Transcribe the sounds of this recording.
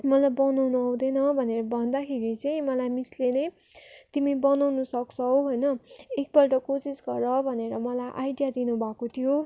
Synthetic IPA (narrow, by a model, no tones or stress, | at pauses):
mʌlajbʌnawnuɦũd̪ʌnʌbʱʌneɾʌbʱʌnd̪akʰeɾit͡sʌĩmʌlajmislenʌj | t̪imibʌnawnusʌkt͡sʰʌwɦojnʌek̚bʌlʈʌkosisɡʌɾʌbʱʌneɾʌmʌlajʔajɖijad̪inubʱakot̪ʰijo